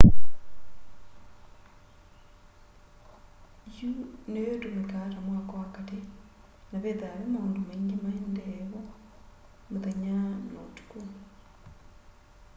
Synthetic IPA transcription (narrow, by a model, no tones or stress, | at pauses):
junejotumikatamwakowakate | naβeðaːɾemaːndomeŋɡimaendeβo | muðeɲano̰tu̥ko